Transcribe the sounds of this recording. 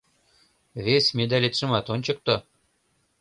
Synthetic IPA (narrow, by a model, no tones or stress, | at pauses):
βesʲmʲed̪ælʲet̪ʃə̆mɑt̪onʲt͡ɕɤ̆k̚t̪o